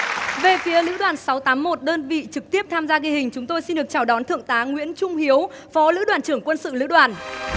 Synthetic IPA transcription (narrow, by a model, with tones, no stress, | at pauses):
ve˨˩fi˨˦əlɨ̰˧˥ɗwaː˨˩nsa˨˦wt̪aː˨˦mːo˨˩t̚ɗəː˧nvḭ˧˨t͡ɕɨ˨˩k̚t̪i˦˥əp̚t̪ʰaː˧mzaː˧ɣi˧hï˨˩ŋ̟t͡ɕʊ˨˦ŋ͡mt̪o˧jsi˧nɗɨ˨˩ək̚t͡ɕaː˧˩wɗɔ˨˦nt̪ʰɨ̰˧˨əŋt̪aː˨˦ŋwḭ˧˥ənt͡ɕʊ˧ŋ͡mhi˨˦əw | fɔ˨˦lɨ̰˧˥ɗwaː˨˩nt͡ɕɨ˧˩əŋkwə˧nsɨ̰˧˨lɨ̰˧˥ɗwaː˨˩n